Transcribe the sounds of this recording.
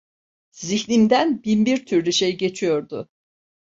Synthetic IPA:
ziçnimd̪ænbinbiɾt̪ʰyɾlʲyʃejɟe̞t͡ʃʰijo̞ɾd̪ʊ

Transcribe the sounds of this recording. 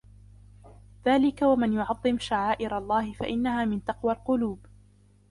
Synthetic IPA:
ðaːlɪkawamanjʊʕɑðˤːɨmʃaʕaːʔɪɾalˤːɑːhɪfa̰ʔɪnːahaːmɪnt̪ɑqwalqʊluːb

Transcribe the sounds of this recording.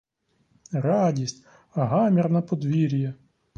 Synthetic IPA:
rɑdʲisʲtʲ | ɐɦɑmʲirnɐpɔd̪ʋʲiɾʲijɐ

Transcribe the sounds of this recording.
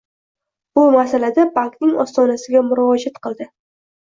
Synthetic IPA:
b̥ʊmasalad̪abaŋknɪŋɒ̰st̪ɒnasɪɡʲamʊɾɒɒd͡ʒat̪qɨlˠd̪ɪ

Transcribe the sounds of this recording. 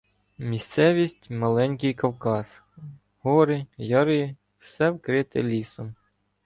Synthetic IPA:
mʲist̪sɛʋʲisʲtʲmɐlˠɛnʲkɪjkɐwkɑs | hɔɾɪjɑɾji | wsɛwkɾɪt̪ɪ̰lʲisɔm

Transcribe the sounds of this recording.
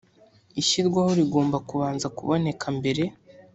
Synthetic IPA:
iʃiɾɡwaho̞ɾiɡo̞ːmbakuβaːnzakuβo̞ne̞kʰambe̞ɾe̞

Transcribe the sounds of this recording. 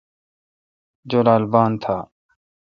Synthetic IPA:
d͡ʒoːlaːlbaːnt̪ʰaː

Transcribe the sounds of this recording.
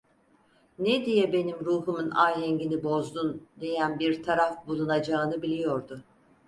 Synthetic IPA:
nɛd̪ijɛbe̞nimɾuːɦumunajɦɛɲɟinibo̞zd̪und̪e̞jænbiɾt̪ʰaɾafbulˠunad͡ʒaːnɯbilʲijo̞ɾd̪ʊ

